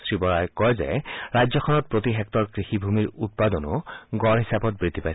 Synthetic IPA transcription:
sɹibɔɹajkɔɹzɛ̰ɹajzɔkʰɔnɔt̚pɹotiɦɛk̚tɔɹkɹixibʱumiɹut̚padɔnʊ̰ɡɔɹɦisabɔt̚bɹid̪ʱːipajs

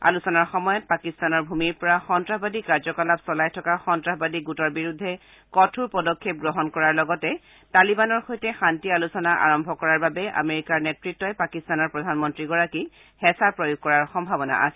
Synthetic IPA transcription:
a̰lusɔnaɹxɔmɔjɔt̚pakistanɔɹbʱumiɹpɔɹaxɔntɹabadikaɹzɔkalapsɔlajtʰɔkaxɔntɹaɦbadiɡutɔɹbiɹudʱːɛ | kɔtʰuɹpɔdɔkʰːep̚ɡɹɔɦɔnkɔɹaɹlɔɡɔtɛ | talibanɔɹxojtɛxantialusɔnaʔa̰ɹɔmbʱɔkɔɹaɹbabɛʔa̰meɹikaɹnetɹitːɔjpakistanɔɹpɹɔdʱanmɔntɹiɡɔɹaki | hɛsapɹɔjuɡ̚kɔɹaɹxɔmbʱabɔna̰ʔa̰sɛ

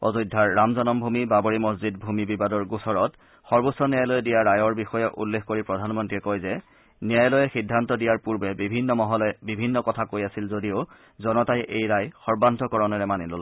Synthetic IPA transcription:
ɔ̰zɔjdʱaɹːamzɔnɔmbʱumibabɔɹimɔszid̚bʱumibibadɔɹɡusɔɹɔt | xɔɹbɔsːɔnijajlɔjɛdijaɹajɔɹbixɔjɛʔṵlːexkoɹipɹɔdʱanmɔntɹiɛkojzɛ | nijajlɔjɛxidʱːantɔdijaɹpuɹbɛbibʱinːɔmɔɦɔlɛbibʱinːɔkɔtʰakojasilzodio | zɔnɔtajʔejɹajxɔɹbantɔkɔɹɔnɛɹɛmanilɔl

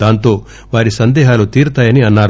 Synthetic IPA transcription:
aːnt̪o̞ː | ʋaːɾisɐnd̪ɛːɦaːlut̪iːɾut̪aːjɐniɐnːaːɾ

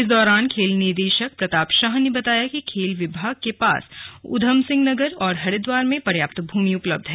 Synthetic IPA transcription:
ɪsd̪ɔːɾaːnkʰeːlnɪɾd̪eːʃək̚pɾɐt̪aːpʃaːɦnebɐt̪aːjakikʰeːlʋɪbʱaːɡ̚kepa̰ːsʊ̰d̪ʱəmsɪ̃ŋɡnɐɡəɾɔːɾɦɐɽed̪waːɾmẽpɐɾjaːp̚t̪bʱuːmiʊpləb̚d̪ʱɦɛː

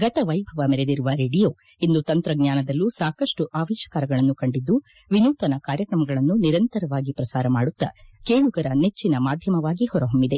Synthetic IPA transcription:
ɡɐt̪ɐʋɐjbʱɐʋɐmeɾed̪iɾuʋɐɾeːɖijoː | ind̪ut̪ɐnt̪ɾɐɡɲaːnɐd̪ɐlːusaːkɐʂʈuʔaːʋeːʃɐ̥kaːɾɐɡɐɭɐnːukɐɳɖid̪ːu | ʋinuːt̪ɐnɐkaːɾjɐkɾɐmɐɡɐɭɐnːuniɾɐnt̪ɐɾɐʋaːɡipɾɐsaːɾɐmaːɽut̪ːɐkeːɭuɡɐɾɐnet͡ʃːinɐmaːd̪ʱjɐmɐʋaːɡihɔɾɐɦombid̪e̞

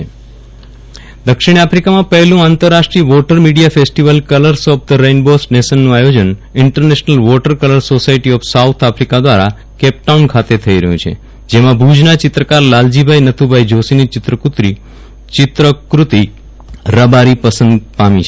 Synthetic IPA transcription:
d̪əkʃiɽ̃apɾikamãpəɦɛlũãnt̪əɾːaʃʈɾiəʋɔʈəɾmiɽijafesʈiʋəlkələɾsɔp̚d̪əɾejnbosʈnesənːũajod͡ʒənɪɳʈəɾneʃnəlʋɔʈəɾkələɾsosaiʈiɔfsawt̪ʰafʰɾikad̪ʋaɾa | kɛp̚ʈaunkʰat̪et̪ʰəiɾəɦjũt͡ʃʰḛ | d͡ʒemãbʱud͡ʒnat͡ʃɪt̪ɾəkaɾlald͡ʒibʱainət̪ʰubʱaid͡ʒosinit͡ʃɪt̪ɾəkut̪ɾi | t͡ʃɪt̪ɾəkɾut̪i | ɾəbaɾipəsənd̪pamḭ̃t͡ʃʰe

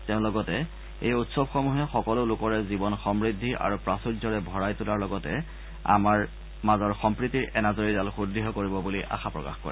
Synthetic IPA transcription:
tɛʊ̃lɔɡɔtɛ | ejutsɔbxɔmuɦɛxɔkɔlʊlʊkɔɹɛzibɔnxɔmɹidʱːiʔa̰ɹupɹasuɹzɔɹɛbʱɔɹajtulaɹlɔɡɔtɛ | a̰maɹ | mazɔɹxɔmpɹitiɹɛnazoɹidalxudɹiɦɔkoɹibɔbuliʔa̰xapɹɔ̰ka̰xkɔ̰ɹɛ̰

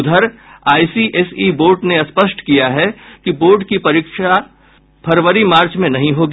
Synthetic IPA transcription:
ʊd̪ʱəɾaːisiʔesiːboːɾɖneɐspəʃʈkijaɦɛkiboːɾɖkipɐɾiːkʃa | pʰɐɾʋəɾimaːɾt͡ʃmẽnɐɦĩɦoːɡiː

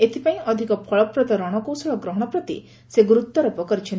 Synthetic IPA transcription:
et̪ʰipaĩɔd̪ʱikɔpʰɔɭɔpɾɔt̪ɔɾɔɽ̃ɔkowsɔɭɔɡɾɔɦɔɽ̃ɔpɾɔt̪ḭ | seɡɾut̪ːɔɾɔpɔkɔɾit͡ʃʰin

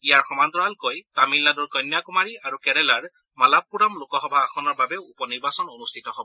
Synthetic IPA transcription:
ijaɹxɔmant̪ɔalkojtamilːaduɹkɔjnːjakumaɹiaɹukɛɹɛlaɹ | malapːuɹamlokɔɦɔbʱaːxʰɔnɔɹbabɛupɔniɹbasɔnonustʰitɔɦɔbɔ

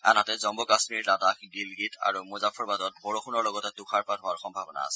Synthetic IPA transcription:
a̰nɦatɛzɔmbɔkasmiɹladakɡilɡitʰa̰ɹumozapʰɔɹbadɔt̚bɔɹɔxʰunɔɹlɔɡɔtɛdukʰaɹpatɦɔwaɹxɔmbʱabɔna̰ːsɛ̥

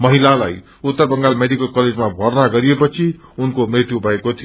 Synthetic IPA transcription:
mʌɦilalaj | ut̪ːʌrbʌŋɡalmeɖikʌlkʌled͡zmabʱʌrnaɡʌɾijepʌt͡sʰi | unkomrit̪jubʱʌekot̪ʰi

